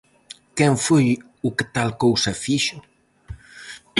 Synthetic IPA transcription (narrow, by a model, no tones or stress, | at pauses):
kɛɱfoj | uket̪alkowsɐfiʃʊ